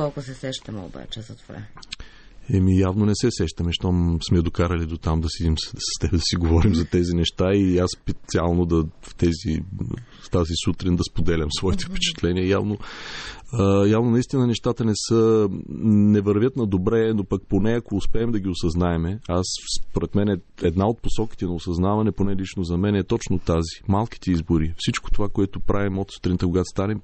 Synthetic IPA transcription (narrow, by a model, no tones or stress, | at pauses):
kɔlˠkʊsɛsɛʃt̪ɐmɛo̰ba̰t͡ʃɛzɐt̪ova̰ | ɛmijavnonɛsɛsɛʃt̪ɐmɛʃt̪ɔmsmɛd̪okaɾɐlid̪ot̪amd̪ɐsid̪imsɐ̥st̪ɛbɛd̪ɐsiɡovɔɾimzɐt̪ɛzinɛʃt̪aiaspɛt̪t̪sialˠnod̪ɐft̪ɛzḭ | st̪azisut̪ɾind̪ɐspod̪ɛlʲɐmsvɔit̪ɛ̥fpɛ̥t͡ʃɛ̥t̪lɛniəja̰vno | javnonɐist̪inənɛʃt̪at̪ənɛsə | nɛvɐɾvʲjət̪nɐd̪obɾɛnopɐk̚ponɛɐkoːspɛːmd̪ɐɡʲiosɐznaɛmɛasspoɾɛt̪mɛnɛɛd̪naot̪̚posɔki̥t̪ɛnɐosɐznavɐnɛponɛlit͡ʃnozɐmɛnɛɛt̪ɔt͡ʃnot̪azi̥malˠki̥t̪ɛizboɾifsit͡ʃko̥t̪ovakoɛt̪opɾʔavimot̪su̥t̪ɾint̪əkoɡat̪o̥st̪anɛm